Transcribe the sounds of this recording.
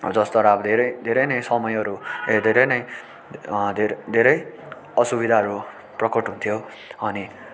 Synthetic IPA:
d͡zʌst̪ʌɾabd̪ʱeɾʌjd̪ʱeɾʌjnʌjsʌmʌjʌɾued̪ʱeɾʌjnʌj | d̪ʱed̪ʱeɾʌj | ʌsubid̪ʱaɦʌɾu | prʌkʌʈɦũnt̪ʰijo | ʌni

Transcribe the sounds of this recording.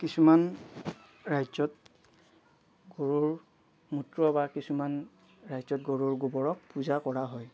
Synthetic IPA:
kisuman | ɹajzɔt | ɡoɹuɹ | mutɹɔbakisuman | ɹajzɔtɡoɹuɹɡubɔɹɔk̚puzakɔɹaɦɔj

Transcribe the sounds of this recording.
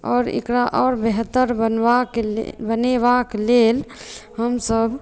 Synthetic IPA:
ɔ̰ːɾḛkɾaʔɔːɾbeɦt̪əɾbənakbənebaklelhəmsəb

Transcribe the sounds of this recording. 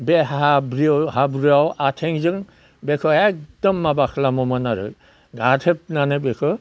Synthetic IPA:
behabɾihabɾɯawʔatʰeŋzɯŋ | bekʰɯek̚dɔmːabakʰlamɔmanaɾɯ̰ | ɡatʰep̚nanɯbekʰɯ

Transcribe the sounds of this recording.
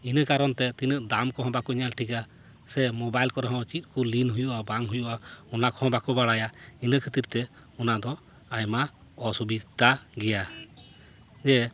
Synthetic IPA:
inəkaɾɔnt̪ɛt̪inəʔd̪amkɔɦɔ̃bakɔɲalʈʰika | sɛmɔbajlkɔɾɛɦɔ̃t͡ʃit̪̚ˀkulinɦujuʔabaŋɦujuʔaɔnakɔɦɔ̃bakɔbaɽajainəkʰət̪iɾt̪ɛ | ɔnad̪ɔ | ajma | ɔsubit̪ːaɡɛja | d͡ʒɛ

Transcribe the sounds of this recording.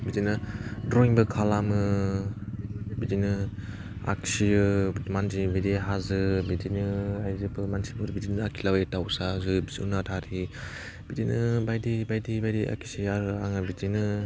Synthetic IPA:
bidinɯdɾojŋbɯkʰalamɯ | bidinɯ | a̰ksijɯmanzibidiɦazɯbidinɯajzɯpɯmansi̥pʰuɾbidinɯakʰilawjtawsazubiziṵnatʰaɾi | b̥idinɯbajdibajdibajdiʔa̰kʰi̥siaɾɯaŋabidinɯ

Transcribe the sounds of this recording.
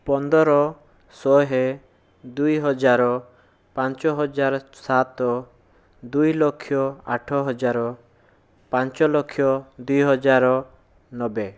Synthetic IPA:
pɔnd̪ɔɾɔ | sɔɦe | d̪ujɦɔd͡ʒaɾɔ | pãnt͡ʃɔɦɔd͡ʒaɾsat̪ɔ | d̪ujlɔkʰːjɔa̰ʈʰɔɦɔd͡ʒaɾɔ | pãnt͡ʃɔlɔkʰːjɔd̪ujɦɔd͡ʒaɾɔ | nɔbe

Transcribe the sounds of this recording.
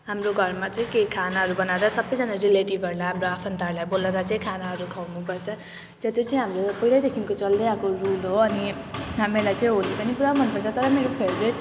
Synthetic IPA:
ɦamɾoɡʱʌrmat͡saĩkejkʰanaɦʌɾubʌnaeɾʌsʌbʌjd͡zʌnaɾileʈibʱʌɾlajɦamroapʰʌnt̪arlajboleɾʌt͡sʌĩkʰanaɦʌɾukʰawnupʌrt͡sʰʌ | d͡zʌt̪jot͡saĩɦamɾopʌɦilajd̪ekʰinkot͡sʌld̪eakorulɦoʌniɦamelajt͡sʌ̃ĩɦolipʌnipuɾãbʱʌnpʌrt͡sʰʌt̪ʌɾʌmeɾopʰeɾbɾeʈ

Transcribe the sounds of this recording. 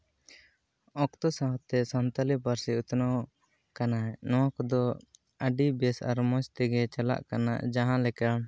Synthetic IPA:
ɔkt̪ɔsaɦɔt̪ɛsant̪alipaɾsiut̪nɔw | kanaɦɛnɔwakɔd̪ɔ | əɖibɛsa̰ɾmɔ̃t͡ʃt̪ɛɡɛt͡ʃala̰ʔkana̰d͡ʒaɦãlɛka

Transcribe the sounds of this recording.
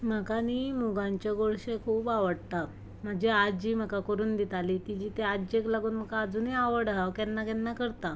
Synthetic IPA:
m̤əkanimuɡãɲt͡ɕjaɡoɭɕekʰuːpaʋəɽt̪a | m̤əd͡ʑead͡ʑiːm̤əkakəɾuːnd̪it̪alit̪id͡ʑiːt̪ead͡ʑeklaɡuːnm̤əkaːd͡zuːniaʋəɽaʋkɛnːakɛnːakəɾt̪a

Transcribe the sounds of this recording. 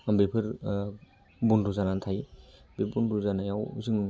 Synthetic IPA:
ambepʰɯɾ | bunɾuzanantʰajbebunduzanajawṵzɯŋ

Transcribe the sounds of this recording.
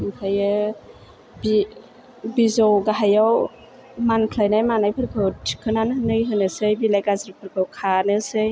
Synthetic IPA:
mkʰajɯ | bi | bizowɡaɦajaw | mankʰlajnajmanajpʰɯɾkʰɯtkʰɯnanhɯnɯjɦɯnɯsɯjbilajɡazɾpʰɯɾkʰowkʰanɯsɯj

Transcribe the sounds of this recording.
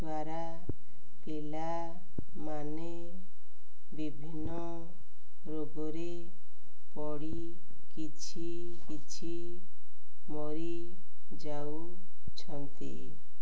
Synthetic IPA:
d̪waɾa | pila | mane | bibʱinːɔ | ɾoɡɔɾe | pɔɽi | kit͡ʃʰi | kit͡ʃʰi | mɔɾi | d͡ʒaw | t͡ʃʰɔnt̪ḭ

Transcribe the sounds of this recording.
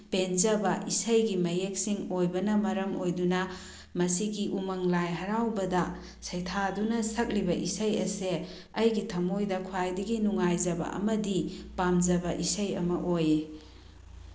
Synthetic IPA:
penzɐbɐʔisɐjɡimɐjek̚siŋojbɐnɐmɐɾɐmojdunɐ | mɐsiɡiʔumɐŋlajɦɐɾawbɐdɐ | sɐjtʰadunɐsɐk̚libɐʔisɐjɐ̰se | ɐjɡitʰɐmojdɐkʰwajdɐɡinuŋajzɐbɐ̰ɐ̰mɐdipamzɐbɐʔisɐjɐ̰mɐʔoje

